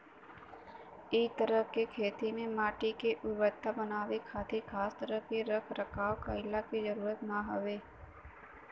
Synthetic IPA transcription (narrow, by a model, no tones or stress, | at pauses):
ɪt̪əɾəkekʰeːt̪imẽmaːʈikeʔʊʋət̪ːabənaːʋekʰaːt̪ʰekʰaːst̪əɾəkeɾəkʰɾəkaːwkəɪlakizəɾuːɾət̪naɦəʋeː